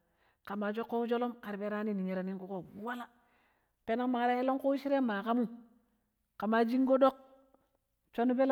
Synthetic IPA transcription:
ka˨ma˨t͡ʃo˦kːo˦u˦d͡ʒo˦lo˦mka˨ɾbe˦ɾa˦ni˦ni˨ɲe˨ɾa˨ni˦ŋku˦ko˦˨wa˦la˦ | pe˦na˦ma˦ɾa˦e˦lo˦ŋko˦i˦ʃi˦ɾe˦ma˨ka˦mu˦ | ka˨ma˨d͡ʒi˦ŋ˦ɡo˦ɗo˦k̚ | t͡ʃo˦nu˦be˦l

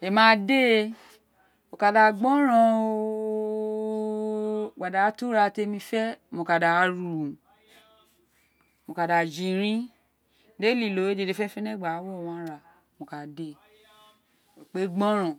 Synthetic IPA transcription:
e˨mãː˨˦˧de˦ | o˨ka˨da˨ɡ͡bɔ̃˦ɾ̃ã˧ | ɡ͡ba˨da˨˦tu˦ɾa˧te˧mĩ˧fɛ˦mo˨ka˨da˨˧˨ɾu˨ũ˨ | mo˨ka˨da˨d͡ʒĩ˨ɾĩ˦ | de˦li˨lo˨˦e˦d͡ʒe˧de˧fɛ˦fɛ˦nɛ̃˦˨ɡ͡ba˨˦wɔ˦˨w̃ɔ̃˧a˦ɾa˨ | mo˨ka˨de˦ | o˨k͡pe˦ɡ͡bɔ̃˦ɾ̃ã˨

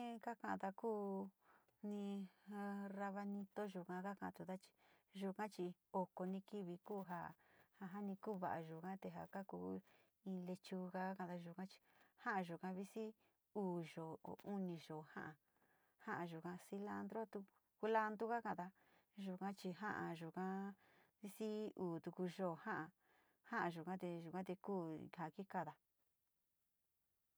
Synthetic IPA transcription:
ka˦kã˧ã˨˧t̪a˧kuː˦ | nĩ˧ | ra˧βa˧nĩ˧t̪o˦ʒu˨kã˧ka˦kã˧t̪u˧˨t̪a˦t͡ʃi̥˧ | ʒu˧kã˦t͡ʃi˧o˧ko˧nĩ˧ki˦βi˧kuː˦ɦa̰˧ha˧ɦa˦nĩ˧kuː˦˨˧βa˨ʔa˨ʒu˨kã˦t̪e˧˨ɦa̰˨ka˦kuː˧˦ | ĩ˧le˧t͡ʃu˧ka˧˦a˦kã˧˨t̪a˧ʒu˧˨kã˦t͡ʃi̥˧hã˦a˧ʒu˨kã˧βi˦si˦ | uː˨ʒo̰˨u˦nĩ˧ʒo˨hã̰˦ʔã˨ | hã˦ʔã˧ʒu˨kã˧si˧la˧nd̪ɾo˦t̪u˧ | ku˧la˦nd̪u˦ɣa˦kã˧d̪a˧ | ʒu˧kã˦t͡ʃi˧ɦã̰˦ʔa˧ʒu˨kã˦ | βi˦si˦uː˨t̪u˧ku˧ʒo˦˨hã˦ʔa˧ | hã˦ʔã˧ʒu˨kã˦t̪e˧ʒu˨kã˦t̪e˧kuː˦˨ha˨ki˦ka˧ða˧

